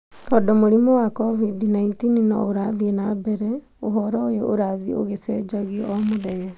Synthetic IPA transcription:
t̪ɔːdɔmoɾimɔwakɔvidnaintininɔ̰oɾaðiɛnabɛɾɛ | oɦɔɾɔojeʔoɾaðio̰ɣesɛd͡ʒaɣiɔmoðɛɣɛ

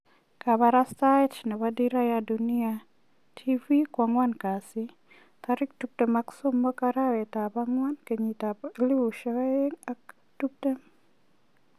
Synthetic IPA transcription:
kaβaɾastat͡ʃnɛwadiɾajadunia | tʰivikwaŋwankasi | t̪aɾɪk̚tup̚temaksomːɔkaɾawɛtabaŋwankeɲitablɪwuʃɛwaeŋak | tup̚tɛ

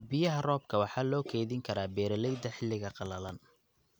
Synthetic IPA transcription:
bɪjɐɦɐrɔːb̚kʰɐwɑħɑːlɔːkʰɛːjðɪŋkʰɐɾaːbɛːɾɐlɛjd̪ɐħɪlːɪɣɐqɑlɐlɐn

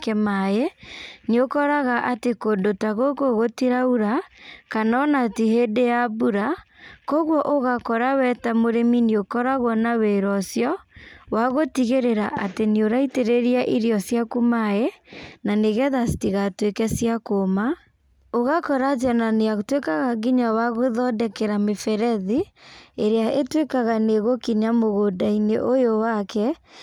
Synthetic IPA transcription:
kɛmajeniokɔɾaɣaʔatekondotaɣokoɣotiɾauɾakanɔnatiɦedejabuɾakɔɣwɔʔoɣakɔɾawɛtamoɾeminiokɔɾaɣwɔnaweɾɔsjɔwaɣotiɣeɾeɾaʔatenioɾaiteɾeɾiaʔiɾjɔsjakumaenaneɣɛðasi̥tiɣatwekɛsjakoma | oɣakɔɾazjananeatwekaɣaɣiɲawaɣoðɔdɛkɛɾamefɛɾɛðieɾeaʔetwekaɣaneɣokiɲamoɣodaineʔojowakɛ

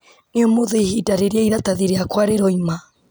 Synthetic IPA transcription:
neomoðeihidaɾeɾeaiðataðiɾeakwaɾeɾɔima

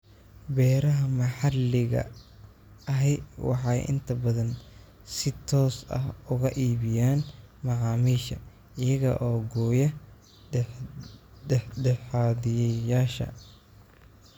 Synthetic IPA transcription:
bɛːɾɐɦɐmɐħɑlɪɣɐ̰ | ɐɦɛjwɑ̰ħɑjʔɪ̰nt̪ʰɐbɐðɐn | sɪt̪ʰɔːsɐ̰hʊɣɐʔiːβɪjaːn | mɑʕɑːmiːʃɐ | ɪjɐɣɐʔɔːɡɔːjɐ | d | d̪ɛħd̪ɛħɑːðɪjɛjaːʃɐ̰

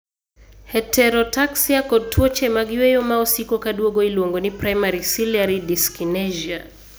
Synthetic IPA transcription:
hɛtʰɛɾɔtaksiakɔtʰuɔt͡ʃɛmaɡiwɛjɔmaɔsikɔkaɗuɔɡɔilɔŋɡɔnipɾajmaɾisilaɾidiskinɛʒia

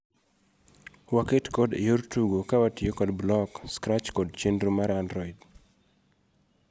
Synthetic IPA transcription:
waketkɔdḛjoɾtuɡokawatɪokɔdblɔkskɾat͡ʃkɔd̚t͡ʃendɾumaɾandɾɔid

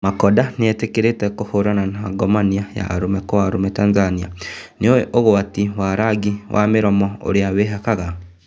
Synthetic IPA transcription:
makɔdaneɛtekeɾetɛkohoɾananaɡɔmaniaja̰ɾomɛkɔwaɾomɛtaːnzanianeowɛʔoɣoatiwaɾaɡiwʔa̰meɾɔmɔo̰ɾeaweɦakaɣa

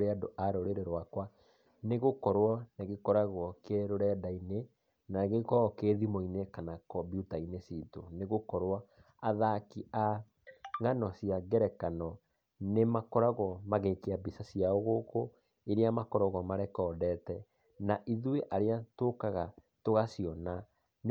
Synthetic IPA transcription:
ɾeadoʔaɾoɾeɾeɾwakwa | neɣokɔɾwɔneɣekɔɾaɣwɔkeɾoɾɛdaine | naɣekɔkeðimoinekanakɔbiutainesiːtoneɣokɔɾwɔ | aðakiʔa | ŋanɔsiaɡɛɾɛkanɔ | nemakɔɾaɣɔmaɣekeabisasiaɔɣoːko | eɾeamakɔɾɔɣɔmaɾɛkɔːdɛːtɛ | naʔiðweʔaɾeatokaɣa | toɣasiɔna | n

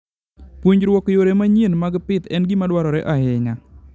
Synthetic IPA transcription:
pwuɲɾwɔkjoɾemaɲenmaɡpɪt̪ɛnɡimadwaɾɔɾeʔaɦɪɲa

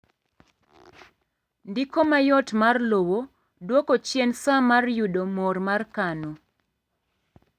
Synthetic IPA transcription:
ndɪkomajɔtmarlowo | dwokot͡ʃjensamarjudomɔrmarkano

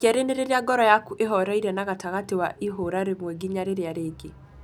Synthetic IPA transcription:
kɛɾeneɾeɾeaɡɔɾɔjakuʔeɦɔɾaiɾɛnaɣataɣatewaʔiɦoɾaɾemwɛɡiɲaɾeɾeaɾeːɡe

